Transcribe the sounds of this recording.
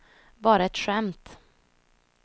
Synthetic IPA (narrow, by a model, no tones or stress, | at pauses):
bɑːɾaɛt̪ɧɛmt̪